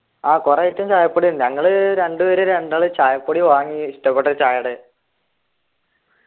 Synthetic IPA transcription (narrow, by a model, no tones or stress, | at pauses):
aːkureiʈːumt͡ɕaːjɐpːoɽinɲɐŋːɐɭɨɾe̞ɳɖɨʋɐɾeɾeɳɖaːɭɨt͡ɕaːjɐpːoɽiʋaːŋːiiʂʈɐpːeʈːɐt͡ɕaːjɐɽɨ